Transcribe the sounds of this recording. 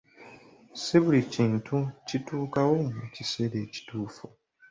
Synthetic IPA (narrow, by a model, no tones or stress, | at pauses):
siβuliciːntʰucituːkawomucise̞ɾe̞ːci̥tuːfu